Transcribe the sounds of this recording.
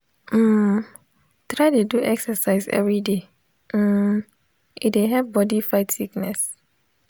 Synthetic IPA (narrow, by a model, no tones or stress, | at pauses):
m̩ | tɹaɪteduʔɛksəsaɪzɛ̰vɹide | m̩ | ieɦɛvbɔdifaɪtsiknɛs